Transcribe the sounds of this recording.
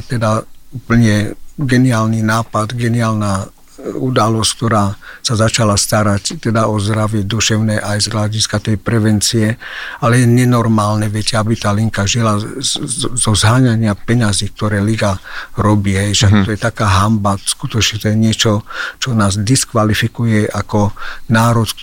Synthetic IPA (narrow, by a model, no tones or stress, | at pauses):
t̪ɛd̪aupl̩ɲɛɡɛniaːlninaːpad̪ɡɛniaːlna | ud̪alɔsck̚t̪ɔɾaːsazat͡ʃalast̪aɾact̪ɛd̪aɔzd̪ɾaʋɪɛd̪uʃɛʊnɛʔajzɦlaɟiskat̪ɛjpɾɛʋɛnt͡siɛalɛjɛɲɛnɔɾmaːlnɛʋɛcɛabit̪aːliŋkaʒila | zɔzɦaːɲaɲɪapɛɲaziːk̚t̪ɔɾɛːliɡaɾɔbiːɦɛjʃɛakt̪ɔjɛt̪akaːɦambaskut̪ɔt͡ʃɲɛt̪ɔjɛɲɪɛt͡ʃɔt͡ʃɔnaːzd̪iskʋalifikujɛʔakɔnaːɾɔt͡s